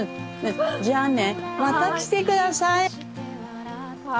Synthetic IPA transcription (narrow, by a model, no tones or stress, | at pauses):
d͡ʑanːemat̪ːaki̥t̪ekɯ̟d̪asaj